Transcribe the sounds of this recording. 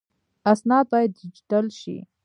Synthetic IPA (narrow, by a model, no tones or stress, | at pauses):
asnɑd̪̚bɑjad̪̚dɪd͡ʒi̥ʈalʃḭ